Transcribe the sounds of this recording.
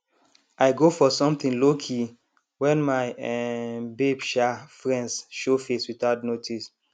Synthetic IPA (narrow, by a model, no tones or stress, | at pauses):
aɪɡofɔsɔ̃mt̪ĩnlokʰi | wɛ̃nmaɪ | bebʃafɹɛ̃ndsʃofeswitaʊtnotʰis